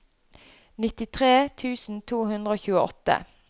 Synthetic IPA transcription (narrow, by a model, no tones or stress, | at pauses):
nɪt̪ɪt̪ʰʁeːt̪ʰʉːsn̩t̪ʰuːhʉnd̪ʁəoːçʉːəʔɔt̪ə̰